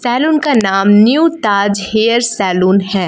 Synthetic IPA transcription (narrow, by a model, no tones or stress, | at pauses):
sɛːluːnkanaːmnjuːt̪aːd͡ʒheːəɾsɛːluːnhɛː